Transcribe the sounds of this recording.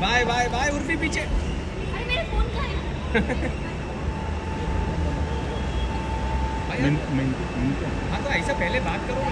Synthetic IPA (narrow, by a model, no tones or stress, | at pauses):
bʱaːjbʱaːjbʱaːjʊɾfipiːt͡ʃe | ɐmeːɾefoːnkɐ | bʱaːjnmɛn | mɪnka | ɦãt̪oɐɪsapɛɦlebaːt̪̚kɐɾo